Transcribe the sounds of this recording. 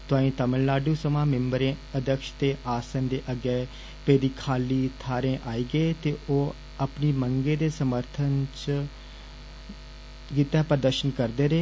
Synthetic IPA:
t̪ʊãːĩːt̪əməllaːɖuːsəmãːmɛ̃mbəɾẽːəd̪əkʃt̪eːʔaːsənd̪eːʔəɡɛː | peːd̪iːkʰaːliːt̪ʰaːɾẽːʔaːiːɡəeːt̪eːʔoː | əpniːməŋɡeːd̪eːsəməɾt̪ʰənt͡ʃ | ɡɪt̪ɛːpəɾd̪əɾʃənkəɾd̪eːɾeː

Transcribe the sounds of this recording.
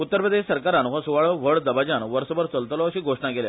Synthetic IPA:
ut̪ːəɾpɾəd̪eɕsəɾkaɾanʋasuʋaɭəʋəɭd̪əbad͡ʑanʋəɾsəbəɾt͡səlt̪lɔəɕiːɡʱoʂɳakelja̰

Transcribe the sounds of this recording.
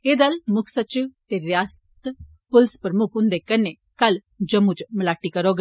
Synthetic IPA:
ed̪ɐlmuksɐt͡ʃut̪eɾjaːst̪ | pulspəɾmukʰɦũnd̪ekɐnːe | kɐl | d͡ʒɐmut͡ʃməlaːʈikɐɾoɡ

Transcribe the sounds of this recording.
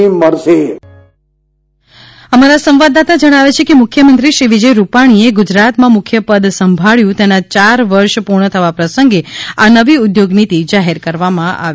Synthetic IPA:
iməɾse | əmaɾasə̃mʋad̪at̪ad͡ʒəɽ̃aʋet͡ʃʰekemʊkʰjəmənt̪ɾiʃɾiʋid͡ʒəjɾupaɽ̃ieɡʊd͡ʒɾat̪mãmʊkʰjəpəd̪səmbʱaɭjũt̪enat͡ʃaɾʋəɾʃpuɾɳət̪ʰəʋapɾəsəŋɡeanəʋiʊd̪joɡnit̪id͡ʒaɦeɾkəɾʋamãʔa̰

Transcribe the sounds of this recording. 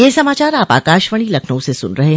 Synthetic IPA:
jeːsɐmaːt͡ʃaːɾaːpa̰ːkaːʃʋəɽ̃ilɐkʰnə̃sesʊ̰nɾɐɦeɦ

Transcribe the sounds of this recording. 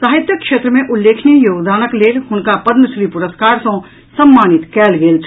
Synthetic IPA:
saːɦɪt̪jəkʃeːt̪ɾəmẽʔʊlːeːkʰnijoːɡd̪aːnəkleːlɦʊnkapɐd̪nəsɾiːpʊɾəskaːɾsõ | sɐmːaːnɪt̪kɛːlɡeːlt͡ʃʰ

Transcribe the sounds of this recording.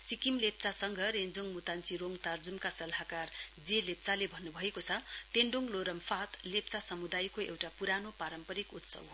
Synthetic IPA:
sikimlep̚t͡sasʌŋɡʱʌɾend͡zoŋmut̪ant͡siɾoŋt̪ard͡zunkasʌlɦakard͡zelep̚t͡salebʱʌnːubʱʌekot͡sʰʌt̪eɳɖoŋloɾʌmfat̪lep̚t͡sasʌmud̪ajkoḛwʈapuɾanopaɾʌmpʌɾikut̪sʌ̰bɦo

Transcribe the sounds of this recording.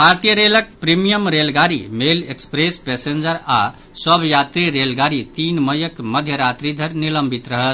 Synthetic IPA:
paɾt̪ijəɾelək̚pɾimijəmɾelɡaɾḭmelekspɾespɛsend͡ʒəɾa | səbʱjat̪ɾiɾelɡaɾit̪inməjəkməd̪ʱjəɾat̪ɾid̪ʱəɾniləmbʱit̪ɾəɦət̪

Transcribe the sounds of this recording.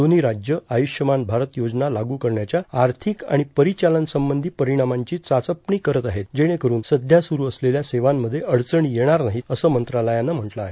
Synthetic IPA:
oniːɾad͡ʑjəajuʂjəmanbʱaɾət̪jod͡ʑnalaɡuːkəɾɳjat͡ɕjaːɾt̪ʰikã̰ipəɾit͡ɕalənsəmbənd̪ʱiːpəɾiɽ̃amaɲt͡ɕiːt͡sat͡səpɳiːkəɾət̪aɦet̪d͡ʑeɽ̃ẽkəɾuːnsəd̪ʱjasuɾuːəsleljaseʋamːəd̪ʱːjeʔəɭt͡səɳ̃ijeɽ̃aɾnaɦiəsəːmənt̪ɾaləjanəm̤əʈlaːɦe

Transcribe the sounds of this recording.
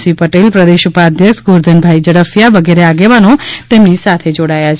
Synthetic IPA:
sipəʈelpɾəd̪eʃupaːd̪ʱjəkʃɡoɾd̪ʱənbʱaid͡ʒəɽəfjaʋəɡeɾeaɡeʋanot̪emnisat̪ʰed͡ʒoɽajat͡ʃʰ

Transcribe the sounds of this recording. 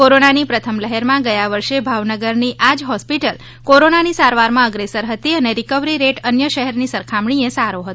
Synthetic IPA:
koɾonanipɾət̪ʰəmləɦɛɾmãɡəjaʋəɾʃebʱaʋnəɡəɾniʔad͡ʒɦɔspiʈəl | koɾonanisaɾʋaɾmãəɡɾesəɾɦət̪iəneɾikəʋɾiɾeʈənjəʃəɦɛɾnisəɾkʰamɳ̃iesaɾoɦət̪

